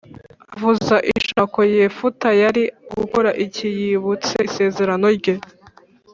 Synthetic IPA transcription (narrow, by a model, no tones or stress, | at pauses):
avuzaʔiʃako̞jeːfutajaɾiɡuko̞ɾaʔicijiβut͡sese̞ːze̞ɾano̞ɾɟe